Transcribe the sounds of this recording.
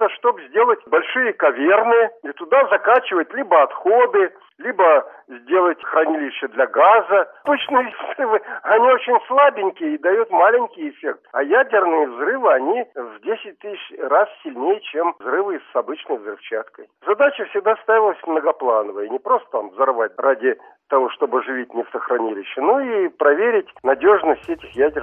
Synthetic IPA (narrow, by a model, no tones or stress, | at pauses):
t̪əʂt̪o̞bzʲdʲe̞lˠətʲbɐlʲʂɨjəkɐvʲernɨjəit̪ʊd̪azɐkat͡ɕɪvəjɪt̪lʲibəɐt̪xo̞d̪ɨ | lʲibəzʲdʲe̞lˠətʲxɾɐnʲilʲɪɕʲːəd̪lʲɐɡazəbɨt͡ɕnɨjəvzrɨvɨɐnʲio̞t͡ɕɪnʲslˠabʲɪnʲkʲɪjəid̪ɐjut̪malʲɪnʲkʲɪjɪfʲek̚t̪ɐjædʲɪrnɨjəvzrɨvɨɐnʲivdʲesʲɪt̚ʲt̪ɨsʲɕrassʲɪlʲnʲejɪt͡ɕemvzrɨvɨsɐbɨt͡ɕnəjvzɾɨft͡ɕat̪kəjzɐd̪at͡ɕəfsʲɪɡ̚d̪ast̪avʲɪlˠəsʲmnəɡɐplˠanəvəjənʲɪpɾost̪ə̥t̪amvzɐrvat̚ʲrʔadʲɪ | t̪ɐvo̞ʂt̪o̞bɨʐɨvʲitʲnʲɪft̪əxɾɐnʲilʲɪɕːənoipɾɐvʲeɾʲɪtʲnɐdʲo̞ʐnəsʲtʲɛtʲɪxjædʲɪ